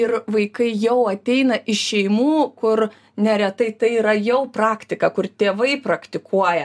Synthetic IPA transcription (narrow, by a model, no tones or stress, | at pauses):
ɪrʋɐɪkɐɪjɛʊɐt̪ʲɛɪnɐʔɪʃʲɛɪmuːkʊr | nʲɛɾʲɛt̪ɐɪt̪ɐɪiːɾɐjɛʊprɑːkt̪ʲɪkɐkʊrt̪ʲeːʋɐɪpɾɐkt̪ʲɪkʰuɔjɛ